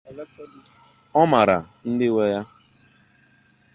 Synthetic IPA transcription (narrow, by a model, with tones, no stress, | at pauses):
ɔ˦ma˨ɾa̰˨ | n̩˦dɪ˦we˦ja˦